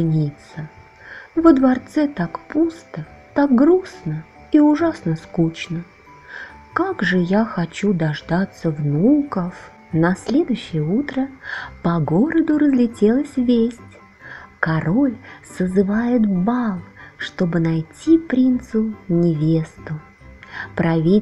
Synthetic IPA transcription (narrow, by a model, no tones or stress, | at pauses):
ɨnʲit̪sə | vəd̪vɐrt̪sɛt̪akpust̪ə | t̪ak̚ɡɾusnə | iʊʐasnəskut͡ɕnə | kaɡʐɨjaxɐt͡ɕud̪ɐʐd̪at̪səvnukəf | nɐsʲlʲe̞d̪ʊjɕːɪjəut̪ɾəpɐɡoɾəd̪ʊɾəzlʲɪtʲelˠəsʲvʲesʲtʲ | kɐɾo̞lʲsəzɨvajɪt̪balˠʂt̪o̞bɨnɐjtʲʰipɾʲint̪sʊnʲɪvʲe̞st̪ʊ | pɾɐvʲi